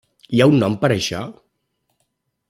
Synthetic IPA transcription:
iaunːɔmpəɾəʃɔ̰

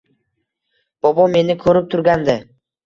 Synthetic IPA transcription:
b̥ɒbɒme̞nɪkʰɵɾɪp̚t̪ʰʊɾɡʲand̪ɪ

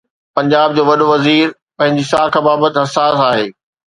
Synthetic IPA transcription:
pɐ̃ɲd͡ʑaːb̚d͡ʑoːʋɐɗoʋɐziːɾ | pɐ̃ɦɪ̃ɲd͡ʑisaːkʰabaːbət̪ɪɦɐsaːsaːɦeː

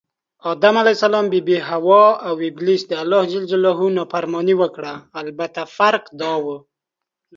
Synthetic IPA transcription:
ɑd̪amalajsalɑmbebeɦawɔawɪblisd̪əalːɑhd͡ʒɪld͡ʒalɔɦunɑfaɾmɑniwəkɽaːlbat̪afaɾqd̪ɑwə

